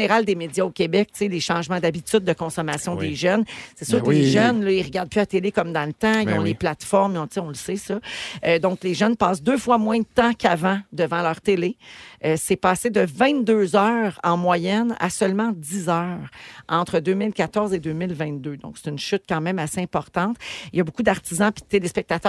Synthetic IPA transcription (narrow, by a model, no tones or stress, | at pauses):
neʁald̪emed͡zjaokʲebɛk̚seleʃɑ̃ːʒmãd̪abit͡s̪yd̪̚ːəkɔ̃sɔmasjɔ̃d̪eʒœnsɛsyːʁkəleʒœnlʌiʁəɡaʁd̪̚pyat̪elekɔmd̪ɑ̃lət̪ãilɔ̃leplat̪fɔʁmiɔ̃t͡seɔ̃ləsesɔød̪ɔ̃kleʒœnpɑːsd̪øːfwamwɛ̃d̪ət̪ãkavãd̪əvɑ̃lœːʁt̪eleøsɛpaːsed̪əvɛ̃t̪̚d̪øzœːʁɑ̰̃mwajɛna̰sœlmɑ̃d̪izœːʁɑ̃t̪χəd̪øːmɪlkat̪ɔʁzed̪øːmɪlvɛ̃t̪̚d̪ød̪ɔ̰̃kse̥t̪ynʃʏt̪̚kɑ̃ːmɛ̃maseɛ̃pɔʁt̪ɑ̃t̪eljabokud̪aʁt̪izɑ̃pit̪elespɛk̚t̪at̪œ